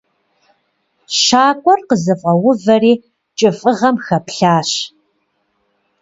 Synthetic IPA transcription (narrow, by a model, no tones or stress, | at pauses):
ʃaːkʷʼɔrqəzɨfʼɐwʊvɐriː | t͡ʃʼɪfʼɨʁɐmxɐpɬaːɕ